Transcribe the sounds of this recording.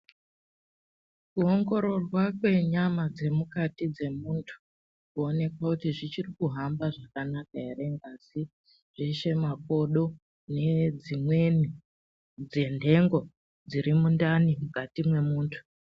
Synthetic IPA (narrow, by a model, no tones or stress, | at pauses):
kuo̞ŋɡo̞ɾo̞rwakwe̞ɲamad͡ze̞mukatid͡ze̞muntʰu̥ | kuo̞ne̞kwakutiʐit͡ʃirikuɦambaʐakanakaɦere̞ŋɡasi | ʐ̥iʃe̞mapo̞ɗo̞ | ne̞d͡zimwe̞ni | d͡ze̞ndʱe̞ŋɡo̞ | d͡ziɾimundanimukatimwe̞muːntʰu̥